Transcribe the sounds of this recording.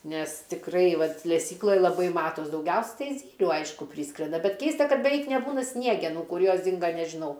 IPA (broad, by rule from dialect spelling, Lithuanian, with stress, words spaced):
nʲɛs tʲɪkˈrɐɪ ˈʋɐt lʲɛˈsʲiːklˠoːj lˠɐˈbɐɪ ˈmɑːtoːs dɐʊˈɡʲɛʊsʲɛ ˈtɐɪ ˈzʲiːlʲuː ˈɐɪʃkʊ ˈpʲrʲiːskrʲɛndɐ bʲɛt ˈkʲɛɪstɐ ˈkɐt bʲɛˈʋʲɛɪk nʲɛˈbuːnɐ ˈsʲnʲiɛɡʲɛnuː ˈkʊr ˈjoːs ˈdʲɪŋɡɐ nʲɛʒʲɪˈnɐʊ